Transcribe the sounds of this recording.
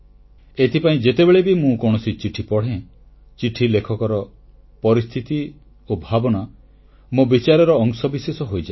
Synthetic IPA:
et̪ʰipaĩd͡ʒet̪ebeɭebimũkɔɽ̃ɔsit͡ʃiʈʰipɔɽ̤ẽ | t͡ʃiʈʰilekʰɔkɔɾɔ | pɔɾist̪ʰit̪i | obʱabɔna | mobit͡ʃaɾɔɾɔːŋsɔbisesɔɦojd͡ʒa

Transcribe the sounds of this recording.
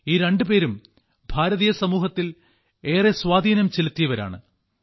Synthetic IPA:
iːɾe̞ɳɖɨpe̞ːɾum | bʱaːɾɐðiːjɐsɐmuːɦɐt̪ːil | e̞ːreswaːd̪ʱiːnɐmt͡ɕilut̪ːijɐʋɐɾa̰ːɳɨ̰

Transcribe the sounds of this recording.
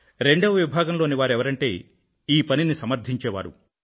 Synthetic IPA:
ɾe̞ɳɖɐʋɐʋibʱaːɡɐmloːniʋaːɾɛʋɐɾɐɳʈe̞̰ː | iːpɐninisɐmɐɾd̪ʱiɲt͡ʃɛːʋa̰ːɾṵ

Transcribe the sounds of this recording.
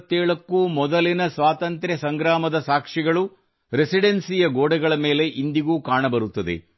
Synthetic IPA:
t̪ːeːɭɐkːumɔd̪ɐlinɐsʋaːt̪ɐnt̪ɾesɐŋɡɾaːmɐd̪ɐsaːkʂiɡɐɭu | ɾesiɖensijɐɡoːɽɛɡɐɭɐme̞ːle̞ʔind̪iɡuːkaːɳɐbɐɾut̪ːɐd̪ḛ

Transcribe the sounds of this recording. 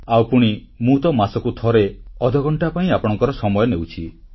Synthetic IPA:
awpuɽ̃i | mut̪ɔmasɔkut̪ʰɔɾeɔd̪ʱɔɡɔɳʈapaĩapɔɽ̃ɔŋkɔɾɔsɔmɔjɔnewt͡ʃʰi

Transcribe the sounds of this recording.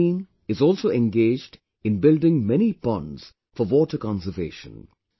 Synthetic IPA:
in | ɪzɔːlˠsoːɛ̃nɡeːd͡ʒd | ɪ̃nbɪldɪ̃ŋmɛnifʌ̃nz̥ | fəʋɔːʈəkɑ̃nsəveːʃə̰̃n

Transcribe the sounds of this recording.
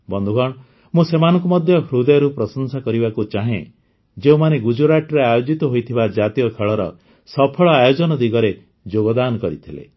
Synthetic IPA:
bɔnd̪ʱuɡʱɔɽ̃ | mũsemanɔ̃ŋkumɔd̪ʱjɔɦɾud̪ɔjɔɾupɾɔsɔnsakɔɾibakut͡ʃaɦḛ̃ | d͡ʒeũmaneɡud͡ʒuɾaʈɔɾeajod͡ʒit̪ɔɦojt̪ʰibad͡ʒat̪ijɔkʰeɭɔɾɔ̰ | sɔpʰɔɭɔajod͡ʒɔnɔd̪iɡɔɾe | d͡ʒoɡɔd̪anɔkɔɾit̪ʰilḛ

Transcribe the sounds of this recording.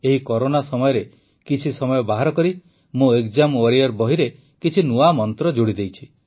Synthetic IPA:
eɦikɔɾonasɔmɔjɔɾe | kit͡ʃʰisɔmɔjɔbaɦaɾɔkɔɾi | mũekd͡ʒamwaɾiɔɾbɔɦiɾe | kit͡ʃʰinuamɔnt̪ɾɔd͡ʒoɽid̪ejt͡ʃʰi

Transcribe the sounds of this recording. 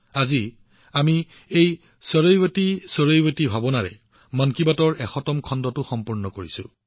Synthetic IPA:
azi | ami | ej | sɔɹojwatisɔɹojbatibʱabɔnaɹɛ̰ | mɔnkibatɔɹɛxɔtɔmkʰɔndɔtʊxɔmpuɹnɔkoɹisʊ̰

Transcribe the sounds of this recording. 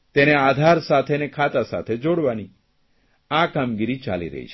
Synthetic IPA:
t̪enead̪ʱaɾsat̪ʰenekʰat̪asa̰t̪ʰed͡ʒoɽʋani | akamɡiɾit͡ʃa̰lḭɾə̰ɦḭt͡ʃʰe

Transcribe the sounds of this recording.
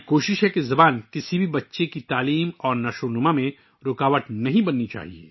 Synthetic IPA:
koːʃɪʃɦɛkezɐbaːnkɪsibʱibɐtːʃekit̪aːliːmɔːɾnɐʃoːnʊmamẽ | ɾʊkaːʋəʈ̪nɐɦĩbɐnːit͡ʃa̰ːɦiḛː

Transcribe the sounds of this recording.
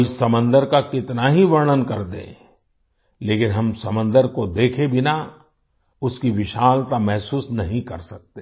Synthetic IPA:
sɐmə̃nd̪əɾkakɪt̪naɦiʋɐɾɳənkɐɾd̪ḛ̃ː | leːkɪnɦɐmsɐmə̃nd̪əɾkod̪eːkʰebʱɪna | ʊskiʋɪʃaːlt̪amɛɦsuːsnɐɦĩkɐɾsɐk̚t̪e

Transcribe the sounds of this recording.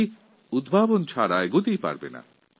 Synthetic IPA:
ud̪bʱabont͡ɕʰaɾaeɡut̪ijpa̰ɾbḛna̰

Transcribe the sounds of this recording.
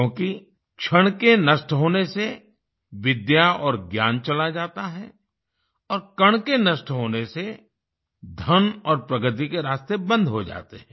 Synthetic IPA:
õːki | kʃʰɐɽ̃kenɐʃʈɦoːnese | ʋɪd̪jaɔːɾɡjaːnt͡ʃɐlad͡ʒaːt̪aɦɛ̰ | ɔːɾkɐɽ̃kenɐʃʈɦoːnese | d̪ʱɐnɔːɾpɾɐɡət̪ikeɾaːst̪ebə̃nd̪ʱɦod͡ʒa̰ːt̪eɦɛ̃ː

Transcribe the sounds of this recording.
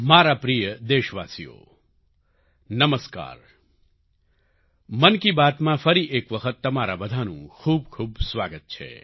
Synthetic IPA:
maɾapɾijəd̪eʃʋasḭjo̰ | nəməska̰ːɾ | mənkibat̪mãfəɾiʔekʋəkʰət̪ːəmaɾabəd̪ʱanṵ̃kʰuːb̚kʰuːbsʋaɡət̪̚t͡ʃʰḛ

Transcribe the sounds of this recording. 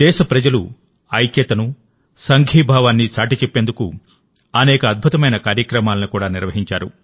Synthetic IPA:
d̪̥ɛːʃɐpɾɐd͡ʒɐlṵ | ɐjkjɐt̪ɐnu | sɐŋɡʱiːbʱaːʋaːnːit͡ʃaːʈit͡ʃepːe̞ːnd̪uku | ɐnɛːkɐːd̪̚bʱut̪ɐmɐjnɐkaːɾjɐkɾɐmaːlɐnikuːɽaːniɾʋɐɦiɲt͡ʃaːɾṵ

